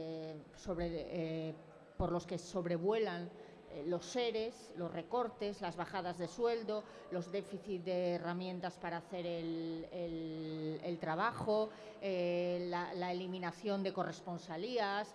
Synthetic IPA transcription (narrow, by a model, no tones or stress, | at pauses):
so̞βɾe | poɾlo̞ske̞so̞βɾe̞β̞we̞lan | lo̞sːe̞ɾe̞slo̞sre̞ko̞ɾt̪e̞zlazβaxað̞azðe̞swe̞ld̪o | lo̞zðe̞fiθit̪̚d̪eːramjẽ̞nt̪aspaɾaːθe̞ɾelelelt̪ɾaβ̞axo | elalaelimĩnaθjo̞nd̪e̞ko̞re̞spo̞nsalias